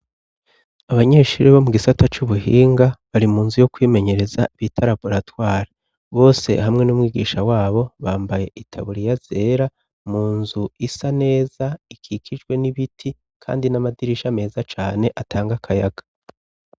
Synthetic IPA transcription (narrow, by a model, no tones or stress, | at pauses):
aβaɲe̞ːʃuɾiβo̞muɡisatat͡ʃuβuɦiːŋɡaβaɾimuːnzujo̞kwiːme̞ɲe̞ɾe̞zaβitʰaɾabo̞ɾatwaːɾi | βo̞ːse̞̰hamŋe̞numwiːɡḭʃawaːβo̞βaːmbaje̞ʔitʰaβuɾijaz̥e̞ɾa | muːnzuisane̞ːzaikʰikʰid͡ʒɡwe̞niβitʰi | kʰa̰ːndinamadiɾiʃame̞ːzat͡ʃaːne̞ʔatʰaːŋɡakʰajaɡḁ